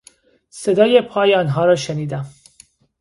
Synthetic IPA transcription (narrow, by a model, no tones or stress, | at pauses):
sed̪ɒːjepʰɒːjeɒːnɦɒːɾɒːʃeniːd̪æm